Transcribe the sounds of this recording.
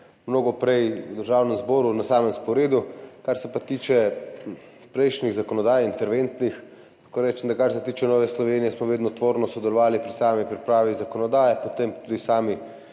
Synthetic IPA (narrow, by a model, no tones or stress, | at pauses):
mnoːɡɔpɾɛjwd̪əɾʒaːwnɛmzbɔːɾunasaːmɛnskɔwɾeːd̪ukaɾsɛpat̪iːt͡ʃɛ | pɾɛjʃniɣzakɔnɔd̪aːjint̪ɛɾʋent̪nix | axkoɾɛːt͡ʃɛnd̪akaɾsɛt̪iːt͡ʃɛnɔːʋɛslɔʋeːnijɛsmɔʋeːd̪nɔt̪ʋoːɾnɔsɔd̪ɛlɔʋaːlipɾisaːmipɾipɾaːʋizakɔnɔd̪aːjɛpot̪empt̪uːd̪isaːmi